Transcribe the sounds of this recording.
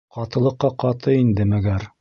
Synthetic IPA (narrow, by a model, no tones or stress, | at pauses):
qɑt̪ɤ̆lˠɤ̆qːɑqɑt̪ɤind̪ɘmæɡæɾ